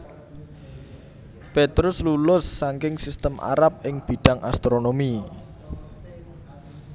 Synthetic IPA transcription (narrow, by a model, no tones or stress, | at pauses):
pet̪ɾʊslulʊsːaŋkɪŋsist̪əma̰ɾap̚ɪŋb̥i̤ɖ̥a̤ŋast̪ɾonomi